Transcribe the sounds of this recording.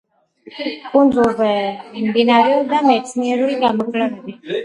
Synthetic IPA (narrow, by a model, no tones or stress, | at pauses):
kʼund̪zulˠzɛmd̪inaɾɛuɾd̪amɛt̪sʰniɛɾuliɡamɔkʰʼlɛvɛbi